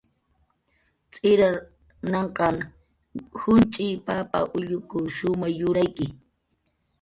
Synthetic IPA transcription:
t͡sʼɪɾa | nɑɴqɑŋ | hʊnt͡ʃʼɪpapa̰ʔʊʎʊkʊʃʊmɑχjʊɾajkɪ

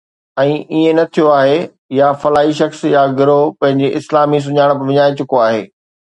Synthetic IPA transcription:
ɛ̃ːiẽnɐt̪ʰijoaːɦe | jafɐlaːɦiʃɐxsjaɡɪɾopɐ̃ɦɪ̃ɲd͡ʑeʔɪslaːmis̬ʊɲaːɪɽ̃̆pɐʋɪɲaːit͡ɕʊkoaːɦḛː

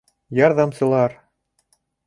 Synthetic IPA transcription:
jɑɾðɑmsɤ̆lˠɑɾ

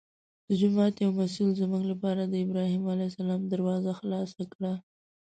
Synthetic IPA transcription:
d̪̥əd͡ʒʊmɑt̪jawmasilzəmuɡlapɑɾad̪əɪbɾɑhimalajsalɑmd̪aɾwɑzaxlɑsakɽa

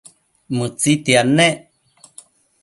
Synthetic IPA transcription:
mɨt͡sit̪ianːe

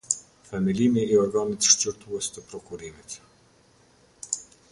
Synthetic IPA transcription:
fɛmilimiːɔɾɡanit̪ʃt͡ɕəɾt̪uɛst̪əpɾɔkuɾimit̪

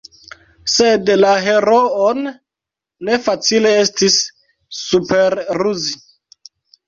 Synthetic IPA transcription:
sedlaɦe̞ɾoonː | e̞fat͡sile̞estisː | upeɾɾuzi

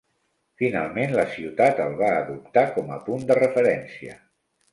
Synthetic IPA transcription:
fina̰lˠmenləsiwt̪at̪əlˠβaːðup̚t̪akɔmə̰pund̪ərəfəɾɛnsiə̰

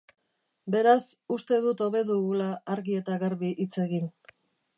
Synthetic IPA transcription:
be̞ɾasust̪e̞ðut̪o̞βe̞ðuɣulaːɾɣie̞t̪aɣaɾβiʔit͡se̞ɣin

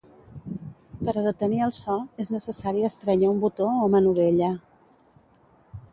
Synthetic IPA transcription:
pəɾəðət̪əniəlˠsɔeznəsəsaɾiəst̪ɾəɲaumbut̪oomənuβeʎə

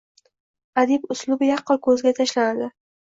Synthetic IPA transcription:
ad̪ɪbʊslʊbjɑqʰːɨlkʰɵzɡʲat̪ʰaʃlanad̪ɪ

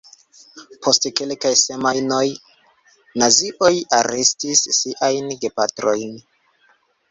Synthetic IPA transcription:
pʰo̞stkelkajse̞majno̞j | naziʔojaɾestisːiʔajnɡepatɾo̞jn

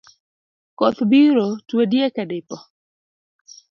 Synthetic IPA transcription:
kɔt̪biɾotwedjekɛdɪpɔ

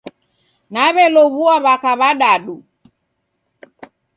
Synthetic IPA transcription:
naβɛlɔβuaβakaβaɗaɗu

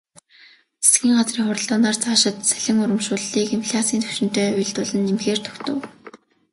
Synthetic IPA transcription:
t͡sʰe̥sɡiːŋɢat͡sriːŋχʊrə̆ɮt̪ɔːnaːrt͡saːʃɪ̆t̪sæɮ̥ʲɪ̆ŋʊɾə̆mʃʊːɮːiːkimpʰɮʲat͡siːnt̪ʰɵ̥wʃɪ̆n̥t̪œːʊjɮt̪ʊɮə̆nimxeːr̥t̪ʰɵ̥kt̪ɵ̆w

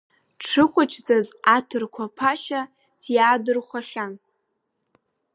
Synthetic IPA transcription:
ʈ͡ʂʰɨχʷʊt͡ʃʰd͡zazatʰɨrkʷʰapʰaʃa | tʰjaːdɨrχʷaɬʲan

